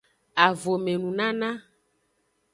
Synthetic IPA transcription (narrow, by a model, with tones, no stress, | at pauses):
a˨vo˨me˨nũ˨nã˦nã˦